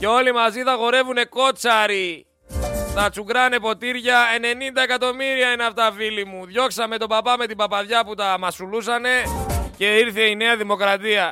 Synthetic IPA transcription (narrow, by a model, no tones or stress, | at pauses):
ce̞o̞limɐziθɐɣo̞ɾe̞vune̞ko̞t͡sɐɾi | θɐt͡suɡɾɐne̞po̞t̪iɾʝɐe̞ne̞nind̪ɐe̞kɐt̪o̞miɾiɐineɐft̪ɐfilimuðʝo̞ksɐme̞t̪o̞bɐpɐme̞t̪ibɐpɐðʝɐput̪ɐmɐsulusɐne̞ce̞iɾθe̞ine̞ɐðimo̞kɾɐt̪iɐ